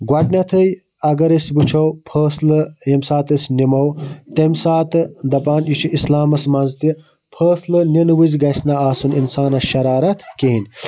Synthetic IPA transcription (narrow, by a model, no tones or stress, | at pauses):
ɡwɐʈnʲɐt̪ʰɨj | ɐɡɐɾesbut͡ʃʰɐwpʰəːslɨjemsaːt̪ɨsnimɐwt̪emsaːt̪ɨd̪ɐpaːnjit͡ʃʰuʔislaːmɐsmɐnzt̪ʰi | pʰɐːslɨnenwɨzɡɐsnaaːsuninsaːnɐʃɐɾaːɾɐt̪ʰkeɦinʲ